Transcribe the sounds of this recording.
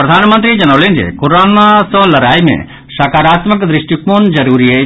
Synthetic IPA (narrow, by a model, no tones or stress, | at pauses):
pɾɔd̪ʱanmənt̪ɾid͡ʒɐnɐwlinɾḛkoɾanasɔlɐɾajmḛ | ʃakaɾat̪məkd̪ɾiʃʈjukmond͡ʒəɾuɾie